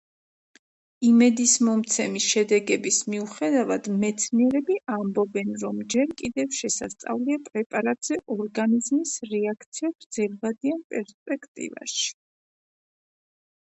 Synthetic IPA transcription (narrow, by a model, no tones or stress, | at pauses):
imɛd̪ismɔmt̪sʰɛmiʃɛd̪ɛɡɛbismiuχɛd̪avad̪mɛt̪sʰniɛɾɛbiʔambɔbɛnɾɔmd͡ʒɛɾkʼid̪ɛvʃɛsa̰st̪sʼa̰vliapʼɾɛpʼaɾat̪ʼz̥ɛʔɔɾɡanizmisɾɛakʰt̪sʰiabɾd̪z̥ɛlvad̪ianpʼɛɾspʼɛkʰt̪ʼḭva̰ʃi̥